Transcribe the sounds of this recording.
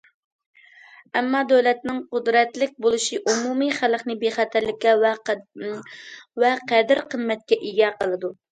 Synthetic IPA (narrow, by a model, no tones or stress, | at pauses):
ɛmːɑd̪øwlɛt̪nɪŋqʊd̪ɾɛt̪lɪk̚ʲbolˠɨʃiʔumumiχæləχnɪbeχæt̪ʰæɾlɪkʲːɛ | vɛqʰæd̪ɪɾqʰənmɛt̪̚kʲɛʔiɡʲɛqʰəlˠɨd̪u